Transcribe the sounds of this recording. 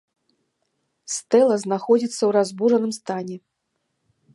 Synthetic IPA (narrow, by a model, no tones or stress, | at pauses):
st̪ɛlˠɐznaxɔd͡zʲit̪sːɐwɾazbuʐɐnɨmst̪anʲɛ